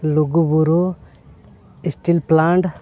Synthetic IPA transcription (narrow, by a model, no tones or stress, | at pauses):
loɡubuɾo | isʈilplaɳʈ